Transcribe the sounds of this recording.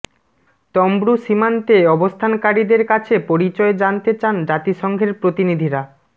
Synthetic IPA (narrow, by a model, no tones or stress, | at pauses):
t̪ɔmbɾuʃimant̪eɔbost̪ʰankaɾid̪eɾkat͡ɕʰepoɾit͡ɕɔed͡ʑant̪et͡ɕand͡ʑat̪iʃɔŋɡʱeɾpɾot̪inid̪ʱiɾa